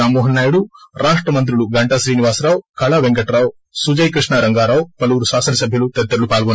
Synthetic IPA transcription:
aːmuːɦɐnːaːjuɽuɾaːʂʈɾɐmɐnt̪̬ɾuɭuɡɐɳʈɐʃɾiːniʋaːsɾaːwkɐɭɐʋeŋkɐʈɾaːw | sud͡ʒɐjkɾiʂɳaɾɐŋɡaːɾaːwpɐlʋuːɾuʃaːsɐnɐsɐbʱjɐlut̪et̪ːɐɾlupaːlɡɔn

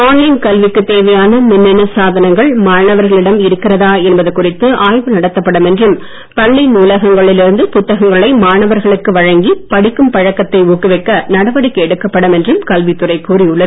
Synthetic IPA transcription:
aːnlɐɪnkɐlʋɪkːɯt̪ːeːʋɐjaːnɐmɪnːɐnɐsaːðɐnɐŋɡɐɭmaːɳɐʋɐɾɣɐɭɪɽɐmɪɾɯkːɪrɐðaːɛnbɐðɯkːʊrɪt̪ːɯʔaːjʋɯnɐɽɐt̪ːɐpːɐɽɯmɛndrɯm | pɐɭːinuːlɐɣɐŋɡɐɭɪlɪɾɯnd̪ɯpʊt̪ːɐɣɐŋɡɐɭɐɪmaːɳɐʋɐɾɣɐɭɯkːɯʋɐɻɐŋɡipɐɽɪkːɯmpɐɻɐkːɐt̪ːɐɪuːkːɯʋɐɪkːɐnɐɽɐʋɐɽɪkːɛɽɯkːɐpːɐɽɯmɛndrɯmkɐlʋit̪ːɯrɐɪpːuːriʊɭːɐðɯ

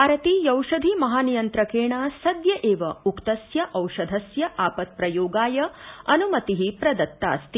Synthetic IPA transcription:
aːɾɐt̪ijɐwʃɐd̪ʱimɐɦaːnijɐnt̪ɾɐkeːɳaːsɐd̪jɐʔeːʋɐukt̪ɐsjɐʔɐwʃɐd̪ʱɐsjɐʔaːpɐt̪̚pɾɐjoːɡaːjɐɐnumɐt̪iɦipɾɐd̪ɐt̪ːa̰ːst̪i

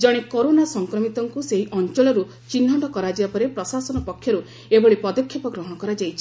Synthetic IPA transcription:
d͡ʒɔɽ̃ekoɾonasɔŋkɾɔmit̪ɔŋkuseɦiʔɔnt͡ʃɔɭɔɾu | t͡ʃinʱɔɳɖɔkɔɾad͡ʒibapɔɾepɾɔsasɔnɔpɔkʰːjɔɾu | ebɔɭipɔd̪ɔkʰːjɔpɔɡɾɔɦɔkɔɾad͡ʒajt͡ʃʰi̥

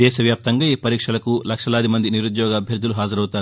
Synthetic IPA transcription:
ɛːʃɐʋjaːp̚t̪ɐŋɡaːiːpɐɾiːkʂɐlɐkulɐkʂɐlaːd̪imɐnd̪iniɾud̪jɔːɡɐːbʱjɐɾd̪ʱuluɦaːd͡ʒɐɾɐwt̪aːɾ

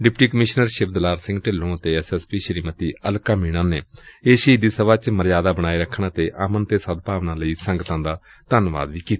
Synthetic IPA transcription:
ɖɪpʈiːkəmɪʃnəɾʃɪb̚d̪laːɾsɪ̃ŋɡʈɪlːõːət̪eːɛsɛspiːʃəɾiːmət̪iːʔəlkaːmiːɽ̃ãːneːeːʃiːd̪iːsəʋaːt͡ʃməɾjaːd̪aːbəɽ̃aːiːɾəkʰːɳ̃ãːt̪eːʔaːmənt̪eːsəd̪̚paːʋnãːləiːsəŋɡt̪ãːd̪aː | t̪ənʋa̰ːd̪ʋiːkiːt̪a

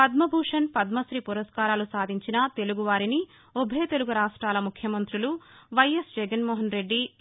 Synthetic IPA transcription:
pɐd̪mɐbʱuːʂɐnpɐd̪mɐsɾipuɾɐskaːɾaːlusaːd̪ʱiɲt͡ʃinɐt̪e̞luɡuʋaːɾini | obʱɐjt̪e̞luɡuɾaːʂʈɾaːlɐmukʰjɐmɐnt̪ɾuluʋɐjesd͡ʒɛɡɐnmɔːɦɐnɾe̞ɖːi

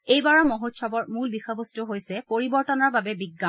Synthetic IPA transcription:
ejbaɹɔmoɦotʃʰɔbɔɹmulbixɔbostuɦojsɛpoɹibɔɹtɔnɔɹbabɛbiɡːam

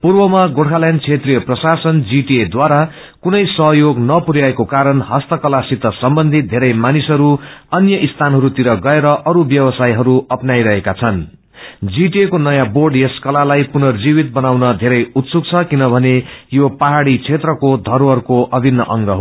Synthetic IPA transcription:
purbʌmaɡoɽʰalant͡sʰet̪rijʌprʌsasʌnd͡ziʈied̪waɾa | kunʌjsʌɦjoɡnʌpuɾjaekokaɾʌnɦʌst̪ʌkʌlasit̪ːʌsʌmbʌnd̪ʱit̪̚d̪ʱeɾʌjmanisɦʌɾuʌnjʌʔist̪ʰanɦʌɾut̪iɾʌɡʌeɾʌʔʌɾubjʌbʌsajɦʌɾuʌpnajɾʌɦekat͡sʰʌn | d͡ziʈiekonʌjãborɖjʌskʌlalajpunʌrd͡zibit̪̚bʌnawnʌd̪ʱeɾʌjut̪suk̚t͡sʰʌkinʌbʱʌnejopaɦaɽit͡sʰet̪rʌkod̪ʱʌɾwʌrkoʔʌbʱinːʌʔʌŋɡʌɦ

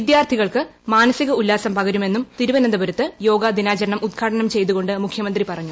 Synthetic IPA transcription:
id̪jaːrt̪ʰiɣɐɭkɨmaːnɐsiɣɐulːaːsɐmpɐɣɐɾume̞nːumt̪iɾuʋɐnɐnd̪ɐbɐɾɐt̪ːɨjo̞ːɡad̪inaːt͡ɕɐɾɐɳɐmʔud̪̚ɡʰaːʈɐnɐmt͡ɕe̞jt̪̬uɣo̞ɳɖɨmukʰjɐmɐnd̪ripɐrɐɲːu

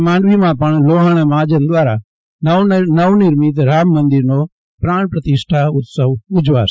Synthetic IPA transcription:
mãːnɖʋimãpəɳloːɦaɳmãːd͡ʒənd̪ʋaːɾa̰ | nəʋnɪɾmit̪̬ɾaːmːə̃nd̪ɪɾno | pɾaːɳpɾət̪ɪʃʈʰaʊt̪səʋʊd͡ʒʋa̰

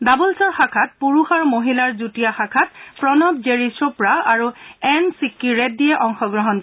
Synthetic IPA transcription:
dabulsɔɹxakʰat̚puɹuxaɹmoɦilaɹzutijaxakʰat̚pɹɔnɔb̚zeɹisɔpɹaaɹuɛnsikːiɹɛt̚dijɛʔɔŋxɔɡɹɔɦɔn

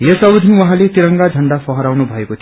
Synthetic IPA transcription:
jʌsʌwd̪ʱinwʌɦãlet̪iɾʌŋɡad͡zʱʌɳɖapʰʌɦʌɾawnubʱʌekot̪ʰ

